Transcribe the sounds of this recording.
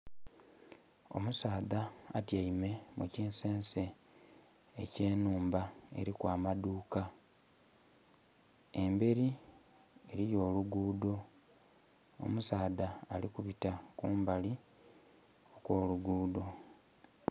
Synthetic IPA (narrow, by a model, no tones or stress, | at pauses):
o̞̰musaːðaːtjaime̞mʔuciːnse̞ːnse̞ː | ce̞ːnuːmbae̞̰ɾikwaːmaduːka | e̞mbe̞ɾi | e̞ɾijo̞ːluɡuːdo̞ | o̰musaːðaːlikuβitakuːmbali | o̞kwo̞ːluɡuːdo̞